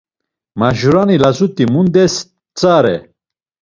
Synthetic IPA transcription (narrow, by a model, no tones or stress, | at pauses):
maʒuɾanilazut̪ʼimund̪ɛs | t͡sʼaɾɛ̰